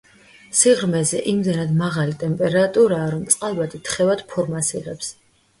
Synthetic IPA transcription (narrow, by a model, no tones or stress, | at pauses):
siʁɾmɛzɛʔimd̪ɛnad̪maʁalit̪ʼɛmpʼɛɾat̪ʼuɾaːɾɔmt̪sʼqʼalˠbad̪ʰit̪ʰχɛvad̪̥pʰɔɾmasiʁɛps